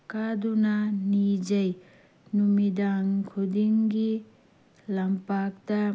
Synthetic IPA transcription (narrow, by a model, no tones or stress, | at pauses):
kadunanid͡ʒɐj | numidaŋkʰudiŋɡi | lɐmpak̚tɐ